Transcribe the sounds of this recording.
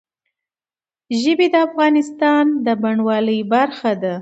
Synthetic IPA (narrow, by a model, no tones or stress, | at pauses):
ʒəbed̪əafɣɑnɪst̪ɑnd̪əbaɳwɑləjbaɾxad̪a